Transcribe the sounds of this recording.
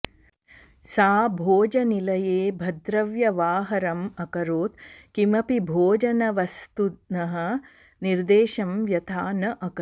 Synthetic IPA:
saːbʱoːd͡ʒɐnilɐjeːbʱɐd̪ɾɐʋjɐʋaːɦɐɾɐmɐkɐɾoːt̪kimɐpibʱoːd͡ʒɐnɐʋɐst̪unɐɦɐ̆ | niɾd̪eːʃɐmʋjɐt̪ʰaːnɐʔɐkɐ

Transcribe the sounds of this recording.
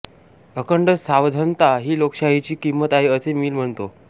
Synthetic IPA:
əkəɳɖəsaʋd̪ʱənt̪aɦiːlokɕaɦit͡ɕiːkimːət̪aɦeəsemiːlm̤əɳt̪o

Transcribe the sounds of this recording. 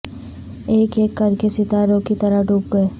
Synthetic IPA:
eːkeːkːɐɾkesɪt̪aːɾõkit̪ɐɾəɖʱuːp̚ɡɐeː

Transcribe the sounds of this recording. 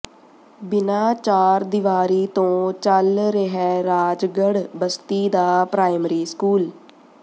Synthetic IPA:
bɪnaːt͡ʃaːɾd̪ɪʋaːɾiːt̪õːt͡ʃəlɾeɦɛːɾaːd͡ʒɡəɽbəst̪iːd̪aːpɾaːɪmɾiːskuːl

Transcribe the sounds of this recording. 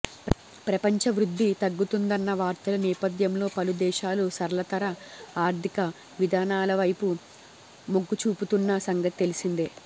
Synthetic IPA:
pɾɐpɐɲt͡ʃɐʋɾud̪ʱːit̪ɐɡːut̪und̪ɐnːɐʋaːɾt̪ɐlɐnɛːpɐd̪jɐmlo̞ːpɐlud̪ɛːʃaːlusɐɾɐlɐt̪ɐɾɐaːɾt̪ʰikɐ | ʋid̪ʱaːnaːlɐʋɐjpu | moɡːut͡ʃuːput̪unːɐsɐŋɡɐt̪it̪elisind̪e

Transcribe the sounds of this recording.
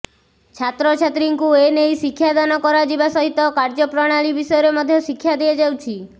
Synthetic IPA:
t͡ʃʰat̪ɾɔt͡ʃʰat̪ɾiŋkuenejsikʰːjad̪anɔkɔɾad͡ʒibasɔɦit̪ɔkaɾd͡ʒɔpɾɔɽ̃aɭibisɔjɔɾemɔd̪ʱjɔsikʰːjad̪eed͡ʒawt͡ʃʰi

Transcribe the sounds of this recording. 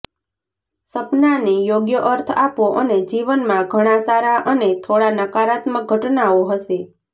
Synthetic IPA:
səpnanejoɡjəʔəɾt̪ʰapoʔəned͡ʒiʋənmãɡʱəɽ̃ãsaɾaʔənet̪ʰoɽanəkaɾat̪mək̚ɡʱəʈnaoɦəʃe

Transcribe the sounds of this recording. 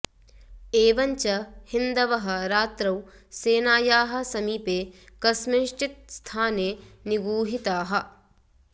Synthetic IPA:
eːʋɐɲt͡ʃɐhind̪ɐʋɐɦɐ̆ɾaːt̪ɾɐw | seːnaːjaːɦɐ̆sɐmiːpeːkɐsmiʃʈit̪̚st̪ʰaːneːniɡuːɦit̪aːɦɐ̆

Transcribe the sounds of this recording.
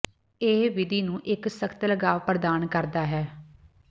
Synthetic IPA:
eːʋɪd̪iːnũːʔɪksəkʰt̪ləɡaːʋpəɾd̪aːnkəɾd̪aːɦɛː

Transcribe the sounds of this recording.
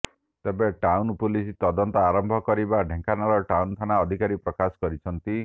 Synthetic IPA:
t̪ebeʈawnpulisit̪ɔd̪ɔnt̪ɔaɾɔmbʱɔkɔɾibaɖʱẽŋkanaɾɔʈawnt̪ʰanaɔd̪ʱikaɾipɾɔkasɔ̥kɔɾit͡ʃʰɔnt̪i

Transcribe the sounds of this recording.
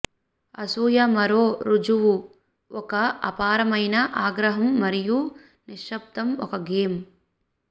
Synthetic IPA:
ɐsuːjɐmɐɾoːɾud͡ʒuʋu | ɔkɐɐ̰paːɾɐmɐjnɐʔaːɡɾɐɦɐmːɐɾiju | niʂːɐp̚t̪ɐmɔ̰kɐɡeːm

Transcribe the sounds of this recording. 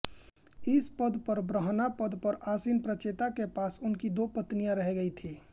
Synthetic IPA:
ɪspəd̪ʱpəɾbɾəɦnapəd̪ʱpəɾaːsinpɾət͡ʃeːt̪akepaːsʊnkid̪opət̪nijãɾəɦɛɡəit̪ʰiː

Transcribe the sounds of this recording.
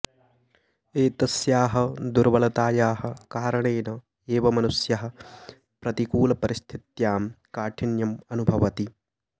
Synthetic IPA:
eːt̪ɐsjaːɦɐ̆d̪uɾʋɐlɐt̪aːjaːhɐ̆kaːɾɐɳeːnɐ | eːʋɐmɐnusjɐɦɐ̆ | pɾɐt̪ikuːlɐpɐɾist̪ʰit̪jaːmkaːʈʰinjɐmɐnubʱɐʋɐt̪i

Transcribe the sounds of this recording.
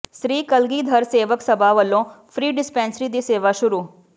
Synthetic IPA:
ʃɾiːkəlɡiːd̪ʱɐɾseːʋəksɐbʱaʋəlːõpʰɾiːɖɪspɛ̃ːnsɾid̪iseːʋaʃʊɾuː

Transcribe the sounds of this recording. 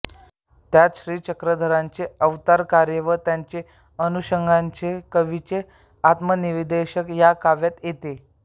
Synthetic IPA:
t̪jat͡s̪ɕɾiːt͡ɕəkɾəd̪ʱəɾaɲt͡seəʋt̪aɾkaɾjəʋət̪jaɲt͡se | ənuɕəŋɡʱaɲt͡sekəʋit͡ɕe | at̪məniʋd̪eɕəkjakaʋjat̪jet̪e

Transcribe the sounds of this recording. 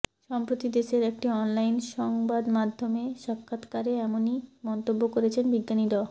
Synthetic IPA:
ʃɔmpɾot̪id̪eʃeɾɛk̚ʈiɔnlajnʃɔŋbad̪mad̪ʱːomeʃakʰːat̪kaɾeɛmonimɔnt̪obːokoɾet͡ɕʰenbiɡːaniɾa

